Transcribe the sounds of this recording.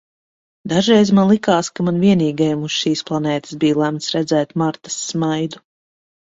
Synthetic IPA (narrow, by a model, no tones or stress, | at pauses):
d̪aʒɾɛjzmanlˠikaːskamanviɛniːɡajmusʃiːsplˠanɛːt̪ɨ̥sbiːjlˠæmt̪sɾɛd̪zɛːt̪maɾt̪ḁsːmajd̪u